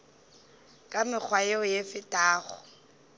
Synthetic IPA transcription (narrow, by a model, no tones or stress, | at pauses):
kʼamɪk͡xʰwajɛɔjefɪtʼaːɣɔ̰